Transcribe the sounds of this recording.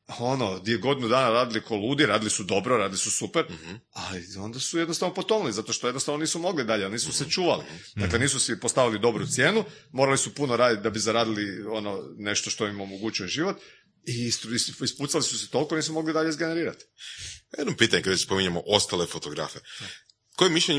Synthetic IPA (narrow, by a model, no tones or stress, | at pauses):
onod̪ieɡo̞d̪inud̪aːnaɾaːd̪ilikʰoluːd̪iɾaːd̪ilisud̪o̞bɾoɾaːd̪ilisusupeɾ | alio̞nd̪asuje̞d̪nost̪aʋnopo̞t̪onlizat̪o̞ʃt̪oed̪nost̪aʋno̞niːsumo̞ɡlid̪aʎealniːsuset͡ʃuːʋalid̪akle̞niːsusipost̪aʋilid̪o̞bɾut̪sje̞ːnu | mo̞ɾalisupunoɾaːd̪it̪̚d̪abizaɾaːd̪ilio̞none̞ʃt̪oʃt̪oimo̞moɡut͡ɕioʒiʋo̞t̪ | ist̪isput̪salisuset̪o̞lˠiko̞niːs̬umo̞ɡlid̪aʎeizɡeneɾiːɾa̰t̪jed̪nopiːt̪aɲekad̪aspo̞miɲamoʔost̪alefot̪oɡɾa̰fe | kojemiʃʎeɲ